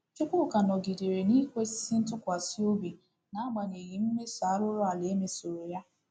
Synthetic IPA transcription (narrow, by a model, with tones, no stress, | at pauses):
t͡ʃe˦kʊ˦˨ka˨nɔ˨ɡi˨de˨ɾe˨ni˦kʷe˦si̥˦si˦n̩˦tʊ˦kʷa˨si˦o˦bi˨ | na˦ɡ͡ba˨ne˨ɣi˨m̩˦me˦sa˨˦ɾʊ˦ɾʊ˦a˨le˨˦me˨so˨ɾo˨ja˦